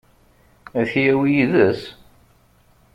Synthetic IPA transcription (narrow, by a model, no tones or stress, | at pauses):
æθjæwijiðəs